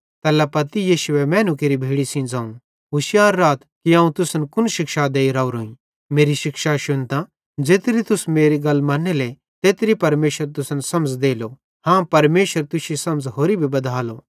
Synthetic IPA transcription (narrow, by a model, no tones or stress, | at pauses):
t̪ɛːlapɐt̪ijiːʃʊɛmɛ̃ːnukeːɾibʱeːɽisĩd͡zãːũ | ɦʊsjaːɾːaːt̪kiãːũt̪ʊsənkʊnʃɪkʃad̪eːiɾaːuɾoːĩ | meːɾiʃɪkʃaʃʊnt̪ã | d͡zeːt̪ɾit̪ʊsmeːɾiɡɐlmaːnːele | t̪eːt̪ɾipɐɾmeːʃəɾt̪̬ʊsənsɐmd͡zd̪eːlo | hãːpɐɾmeːʃəɾt̪ʊʃisɐ̃məd͡zɦoːɾibʱibɐd̪ʱaːlo